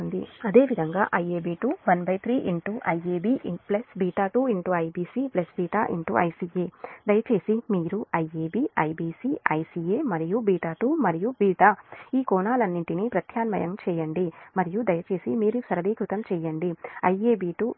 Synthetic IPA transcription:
und̪ḭɐd̪e̞ːʋid̪ʱɐŋɡa̰ːʔɐjeːbiːʈuːʋɐnbɐjt̪ʰɾiːʔiɳʈuʔɐjeːbiːplɐsbiːʈaːʈuːiɳʈuɐjbiːsiplɐsbiːʈaːʔḭɳʈṵʔɐjsiːeːd̪ɐjɐt͡ʃe̞ːsimiːɾuɐjeːbiːɐjbiːsiɐjsiːeːmɐɾijubiːʈaːʈuːmɐɾijubiːʈaiːkɔːnaːlɐnːiɳʈinipɾɐt̪ʰjaːnmɐ̰jɐ̰mt͡ʃɛːjɐɳɖimɐɾijud̪ɐjɐt͡ʃe̞ːsimiːɾusɐɾɐd̪iːkɾut̪ɐmt͡ʃɛːjɐɳɖiɐjeːbiːʈu

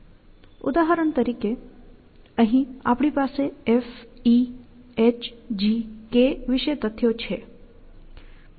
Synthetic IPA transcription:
ʊ̰d̪aɦəɾəɳt̪əɾike | əɦĩa̰pɽ̃ipaseefi | et͡ʃd͡ʒikeʋɪʃəjt̪ət̪ʰːjot͡ʃʰe

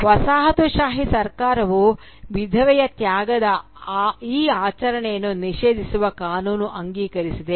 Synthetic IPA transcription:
ʋɐsaːɦɐt̪uʃaːɦisɐɾkaːɾɐʋu | ʋid̪ʱɐʋɛjɐt̪jaːɡɐd̪ɐ | iːaːt͡ʃɐɾɐɳɛjɐnːuniʃeːd̪ʱisuʋɐkaːnuːnuʔɐŋɡiːkɐɾisid̪e

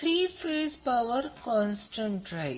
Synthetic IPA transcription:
ɾiːfeːzpaʋəɾkɔ̃ːnsʈə̃ɳʈɾaɪ

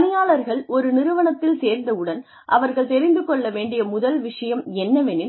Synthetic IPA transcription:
nɪjaːɭɐɾɣɐɭɔɾɯnɪɾɯʋɐɳɐt̪ːɪlseːɾnd̪ɐɯɽɐn | ʔɐʋɐɾɣɐɭt̪ɛɾɪnd̪ɯkɔɭːɐʋeːɳɖɪjɐmʊðɐlʋɪʂɐjɐmɛnːɐʋɛnɪ

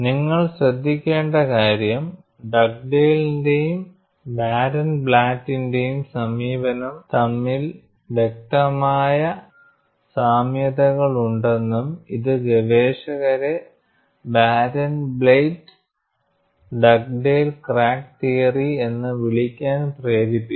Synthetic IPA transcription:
niŋːɐɭɕɾɐd̪ʱːikʲːe̞ːɳɖɐkaːɾjɐm | ɖɐk̚ɖeːlindejum | baːɾɐnbɭaːtːinde̞jumsɐmiːʋɐnɐmt̪ɐmːil | ʋe̞k̚t̪ɐmaːjɐ | saːmjɐðɐɣɐɭuɳɖe̞nːumiðɨʋɐʋeːʂɐɣɐɾe̞ | baːɾɐnbɭejʈ | ɖɐk̚ɖeːlkraːk̚t̪ijɐrie̞nːɨʋiɭikʲːaːnpreːɾipːi

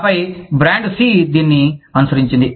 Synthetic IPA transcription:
pɐjbɾaːɳɖsiːd̪iːnːiɐnusɐɾiɲt͡ʃind̪i

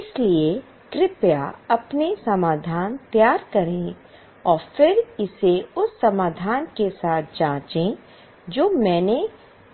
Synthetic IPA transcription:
ɪslie | kɾɪpjaɐpnesɐmaːd̪ʱaːnt̪jaːɾkɐɾẽ | ɔːɾfɪɾɪseʊsːɐmaːd̪ʱaːnkesaːt̪̚ʰd͡ʒãːt͡ʃẽ | d͡ʒoːmɛ̃ːne

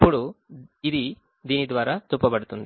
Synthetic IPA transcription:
puɽuid̪i | d̪inid̪ʋaːɾat̪upːɐbɐɽt̪und̪i

